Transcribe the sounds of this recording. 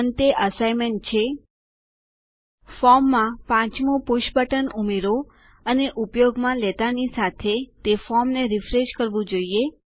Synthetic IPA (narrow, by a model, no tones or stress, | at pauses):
ənt̪eʔəsajmeɳʈ̚t͡ʃʰe | fɔɾmːãpãt͡ʃmũpuʃpəʈənumeɾo | əneʔupjoɡmãlet̪anisat̪ʰet̪efɔɾmneɾifɾeʃkəɾʋũd͡ʒoie